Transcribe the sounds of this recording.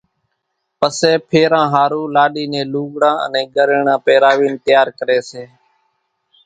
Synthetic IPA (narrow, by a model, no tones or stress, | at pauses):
pəseːpʰeːɾãːɦaːɾuːlaːɗiːnẽːluːɠɽãːə̰nẽːɡəɾəɳãːpeːɾaːʋiːnt̪ɪjaːɾkəɾeːseː